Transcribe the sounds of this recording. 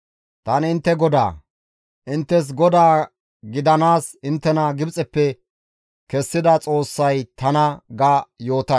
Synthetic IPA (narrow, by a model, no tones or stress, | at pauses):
t̪ɐnɪnt̪ːɛɡɔd̪a̰ː | ʔɪnt̪ːɛs̬ɡɔd̪aː | ɡɪd̪ɐnaːsɪnt̪ːɛnɐɡɪbt͡sʼɛpːɛ | kɛsːɪd̪ɐt͡sʼo̞ːsːɐjt̪ɐnɐɡajoːt̪ɐ